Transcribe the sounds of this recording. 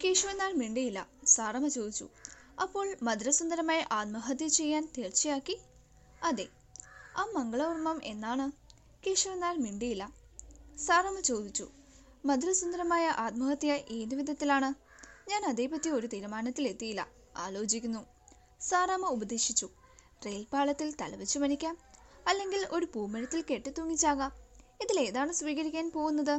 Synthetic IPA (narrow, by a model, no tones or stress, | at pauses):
keːʂuʋɐnːaːlmiɳɖijilːɐ̰saːrɐmɐt͡ɕo̞ːd̪it͡ɕːṵɐpːo̞ːɭmɐd̪ɾɐsund̪ɐɾɐmaːjɐʔaːt̪̚mɐɦɐt̪̬jɐt͡ɕe̞jːaːnt̪eːrt͡ɕːɐjaːkːi | ɐðe | aːmɐŋɡɐɭɐʋurmɐmʔe̞nːaːɳɨ | keːʂuʋɐnːaːlmiɳɖijilːɐ | saːrɐmɐt͡ɕo̞ːd̪it͡ɕːṵ | mɐd̪ɾɐsund̪ɐɾɐmaːjɐʔaːt̪̚mɐɣɐt̪ːjɐʔeːðuʋid̪ʱɐt̪ːilaːɳɨɲaːnɐðe̞ːpɐt̪ːio̞ɾut̪iːɾumaːnɐt̪ːile̞t̪ːijilːɐ̰ | a̰ːlo̞ːt͡ɕikʲːunːu | saːraːmɐubɐd̪eːʂit͡ɕːu | re̞ːlpaːɭɐt̪ːilt̪ɐlɐʋɐt͡ɕːumɐnikʲːaːmɐlːe̞ŋɡilo̞ɾupuːmɐnɐt̪ːilke̞ʈːɨt̪ːuɐŋːit͡ɕːaːɣɐiðile̞ːðaːɳɨsʋiːɣɐɾikʲːaːnpo̞ːɣunːɐðɨ